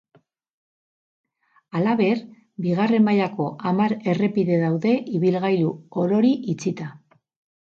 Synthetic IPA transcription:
alaβe̞ɾ | biɣ̞are̞mbajako̞ʔamaɾe̞re̞piðe̞ðawðe̞ʔiβilɣajluoɾo̞ɾiʔit͡sit̪a

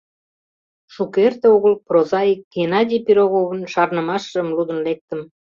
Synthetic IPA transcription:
ʃukert̪eoɣəlprozɑik̚ɡenɑdʲijpiɾoɣoβənʃɑrnəmɑʃʒəmlud̪ənlek̚t̪əm

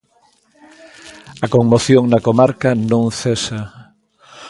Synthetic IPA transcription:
ɐkoŋmoθjoŋnɐkomaɾkɐnõŋθesa

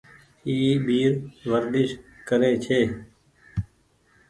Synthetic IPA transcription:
iːbiːɾʋəɾd̪ɪʃkəɾeːt͡ʃʰeː

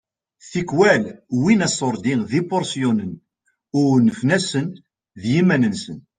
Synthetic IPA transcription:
θikːwælwinæsˤːoɾˤd̪iðipoɾˤsjunən | ʊɾnəfnæsən | ðjimænənsən

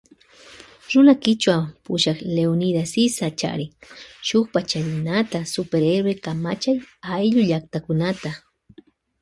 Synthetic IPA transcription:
ɾʊnakɪt͡ʃwapʊʃakleonid̪asisat͡ʃa̰ɾɪʃʊkpat͡ʃalɪnat̪asʊpeɾeɾwekama̰t͡ʃajajʎʊʎak̚t̪akʊnat̪a

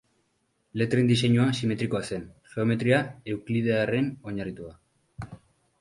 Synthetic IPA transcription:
le̞t̪ɾend̪ise̞ɲuasime̞t̪ɾiko̞ase̞nχe̞o̞me̞t̪ɾiae̞wklið̞eare̞no̞ɲarit̪ua

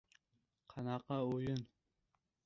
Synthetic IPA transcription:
qʰɑnɑqːɑojʊn

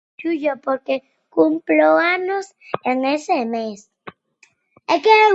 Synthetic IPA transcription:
t͡ʃuʝopoɾke | kumploaɲos | enesemes | eke

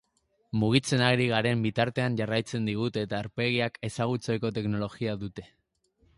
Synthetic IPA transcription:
muɣ̞it͡se̞naɣɾiɣ̞aɾe̞mbit̪aɾt̪e̞aɲʝarajt͡se̞nd̪iɣ̞ut̪e̞t̪aeɾpe̞ɣ̞iake̞saɣ̞ut͡sojko̞t̪e̞kno̞lo̞ɣiaðut̪e̞

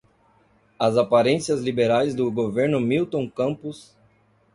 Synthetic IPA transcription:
ɐzapaɾẽsiɐzlibeɾajzd̪ʊɡoveɾnʊmiwt̪õw̃kɐ̃mpʊs

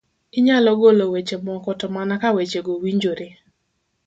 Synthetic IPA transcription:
ɪɲalɔɡolowet͡ʃemɔkɔtɔmanakawet͡ʃeɡowiɲd͡ʒoɾe

